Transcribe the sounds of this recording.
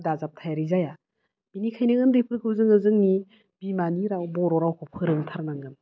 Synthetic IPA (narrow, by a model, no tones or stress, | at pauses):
dazap̚tʰajaɾizaja | b̥inikʰajnɯŋɡɯnɾipʰɯɾɡɯwzɯŋɯzɯŋni | b̥imaniɾawbɔɾɔɾawkʰɔpʰɯɾɯŋtʰaɾnaŋɯn